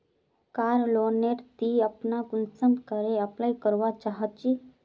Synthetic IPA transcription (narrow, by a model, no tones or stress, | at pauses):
kaːɾloːneʈt̪iɐpnaɡʊnsə̃nd̪kəɾeəplaːjkəɾʋat͡ʃaːɦət̪̚t͡ʃi